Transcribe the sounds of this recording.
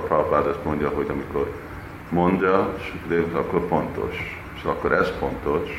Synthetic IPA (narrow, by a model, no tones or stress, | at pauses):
pɾapaːd̪ɛsmoɲdɟɒɦo̞ɟɒmiko̞r | mond̪ɒʃikdesɒ̰kːorfo̞nt̪o̞̰ʃ | sɒ̰kːoɾʔɛzfo̞nt̪o̞ʃ